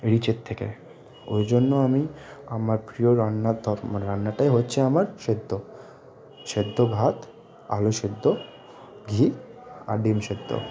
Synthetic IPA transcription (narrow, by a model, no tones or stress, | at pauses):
ɾit͡ɕet̪ʰːekḛ | o̰jd͡ʑonːoamiamaɾpɾioɾanːad̪ʱɔɾmɾanːaʈaeɦotːɕʰeamaɾʃed̪ʱːo | ʃed̪ʱːoɡʱat̪ | a̰loʃed̪ːo | ɡʱia̰ɖimʃed̪ʱːo̰